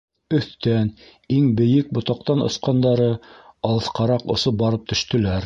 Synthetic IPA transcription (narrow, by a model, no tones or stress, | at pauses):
ɵ̆θt̪æn | iŋbɘ̆jɘk̚bŏt̪ɑqt̪ɑnŏ̰sqɑnd̪ɑɾɤɑlˠɤ̆θqɑɾɑqŏ̰sop̚bɑɾɤp̚t̪ɵ̆ʃt̪ɵ̆læɾ